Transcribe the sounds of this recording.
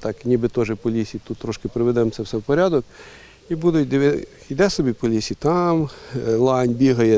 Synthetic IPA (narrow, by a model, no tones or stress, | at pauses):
t̪ɑknʲibɪt̪ɔʒɛpɔlʲisʲit̪ut̪ːɾɔʃkɪpɾɪʋɛd̪ɛmt̪sʲɛwsɛwpɔɾʲad̪ɔk | ibud̪ʊd̪eʋɛ | jd̪ɛsɔbʲipɔlʲisʲit̪ɑmlˠɑnʲbʲiɦɐjɛ